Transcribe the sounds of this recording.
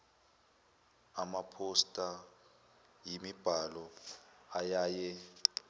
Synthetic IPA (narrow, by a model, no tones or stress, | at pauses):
amapʰostʼa | jimib̥ʱalɔajaːjɛ